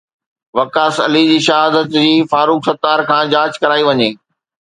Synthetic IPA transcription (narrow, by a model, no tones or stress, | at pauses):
ʋɐkaːsɐ̰lid͡ʑiːʃɐɦaːd̪ət̪d͡ʑiːfaːɾuːksɐt̪aːɾkʰãːd͡ʑaːd͡ʑkɐɾaːiʋɐɲeː